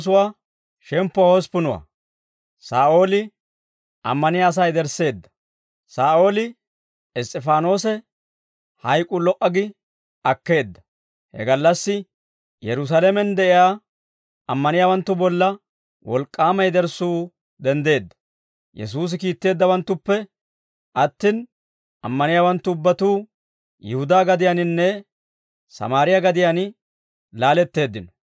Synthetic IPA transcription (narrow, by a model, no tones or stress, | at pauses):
s̬ʊwaː | ʃɛmpːɔhɔspʊnʊwa̰ː | saːʔo̞ːlɪ | ʔɐ̰mːɐnɪjaːs̬ɐjd̪ɛɾsːe̞ːd̪ːɐ̥ | saːʔo̞ːlɪ | ɛst̪ʼːɛfaːno̞ːsɛ | hɐjkʼːʊlɔʔɐɡɪ | ɐkːe̞ːd̪ːɐ̥ | hɛ̰ɡɐlːɐsːɪ | jɛɾʊs̬alɛmɛnd̪ɛʔɪjaː | ɐmːɐnɪjaːwɐnt̪ːʊbɔlːɐ | wʔɔlkʼːaːmɐjd̪ɛɾsuː | d̪ɛnd̪e̞ːd̪ːɐ̥ | jɛ̰s̬uːs̬ɪkiːt̪ːe̞ːd̪ːɐwɐnt̪ːʊpːɛ | ʔɐt̪ːɪn | ʔɐ̰mːɐnɪjaːwɐnt̪ːʊːbːɐt̪uː | jɛhʊd̪aːɡɐd̪ɪjanɪnːɛ | sɐ̰maːɾɪjaɡɐd̪ɪjan | laːlɛt̪ːe̞ːd̪ːɪnɔ̥